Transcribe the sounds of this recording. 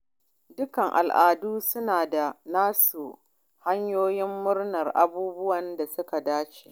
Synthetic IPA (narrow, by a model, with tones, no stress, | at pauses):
dʊ˦kɐ˨ŋʔa̰˨lʔaː˨duː˦sʊ˦naː˨da˨naː˦su˨ | ha˦ɲjoː˦jɪ˦mːʊ˦rnɐ˨rʔa̰˨buː˦bʊ˦wɐ˨nda˨sʊ˦ka˨daː˦t͡ʃe̥˨ʔ